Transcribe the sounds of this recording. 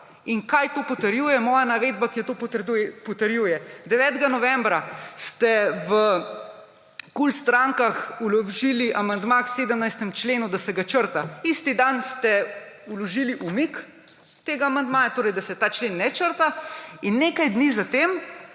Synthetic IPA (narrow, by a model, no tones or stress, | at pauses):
iŋkajt̪oːpɔt̪əɾjujɛmɔjanaʋeːd̪bakijɛt̪opt̪upɔt̪əɾjujɛd̪ɛʋɛːt̪ɡanɔʋɛmbɾast̪ɛʋə | kulst̪ɾaŋkaxulɔʒiliʔamand̪makseːd̪əmnajst̪ɛmt͡ʃleːnud̪asɛɡat͡ʃəɾt̪aist̪id̪anst̪ɛ | ulɔʒiliʔumik | t̪eːɡaːmand̪maːjat̪oːɾɛjd̪asɛt̪aːt͡ʃlenːɛt͡ʃəɾt̪ainːeːkajd̪nizat̪eːm